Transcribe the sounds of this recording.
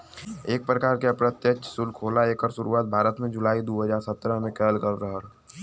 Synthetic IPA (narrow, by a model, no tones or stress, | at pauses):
eːk̚pɾəkaːɾkeɐpɾət̪jət͡ʃsʊlkʰoːlaeːkəɾʃʊɾuaːt̪̚bʱaːɾət̪mẽd͡ʒʊlaːid̪uːɦəd͡ʒaːɾsət̪ːɾəmẽkɛːlkəɾɾəɦɾ